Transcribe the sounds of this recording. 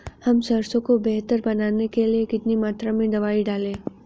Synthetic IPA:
hɐmsɐɾsõkobɛɦt̪əɾbɐnaːnekeliekɪt̪nimaːt̪ɾamẽɖɐʋaːiɖaːlẽː

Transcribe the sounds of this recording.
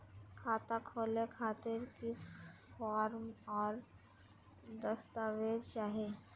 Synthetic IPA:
kʰaːt̪akʰoːlekʰaːt̪ɪɾkifɔːɾmɔːɾ | d̪əst̪aːʋedt͡ʃaːɦe

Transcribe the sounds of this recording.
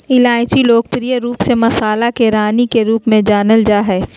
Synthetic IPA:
ɪlaːɪt͡ʃiloːɡ̚pɾijəɾuːpsemɐsaːlakeɾaːnikeɾuːpmẽd͡ʒaːnəld͡ʒaːɦɛː

